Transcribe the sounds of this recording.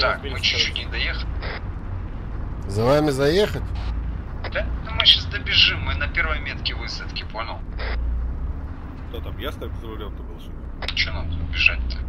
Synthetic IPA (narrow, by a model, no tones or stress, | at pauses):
t̪akmɨt͡ɕʊt͡ʃːutʲnʲɪd̪ɐjexəlʲɪ | zɐvamʲɪzɐjexətʲ | ɐt̪at̪əmɨɕasd̪əbʲɪʐɨmːɨnɐpʲervəjmʲet̪kʲɪvɨsət̪kʲɪponʲəlˠ | kt̪ot̪amjast̪aupzəɾɐlʲonk̪əbɪlˠsud̪ʲ | t͡ɕonad̪bʲɪʐat̚ʲt̪ːə